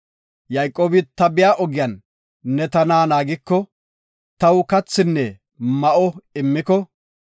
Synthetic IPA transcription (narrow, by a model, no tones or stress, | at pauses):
jɐjkʼoːbɪt̪ɐbɪjaːʔɔɡɪjanː | ɛt̪ɐnaːnaːɡɪkːɔ | t̪ɐwkɐt͡sːɪnːɛ | mɐʔɔɪmːɪkɔ